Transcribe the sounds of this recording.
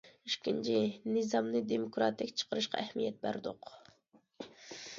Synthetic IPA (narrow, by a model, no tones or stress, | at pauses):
yʃkʲint͡ʃʰinɨzɑmnɨd̪emokɾɑt̪ɪkʲt͡ʃʰə̥qʰəɾɨʃqɑ̰ʔæhmijɛt̪̚bæ̰ɾd̪oq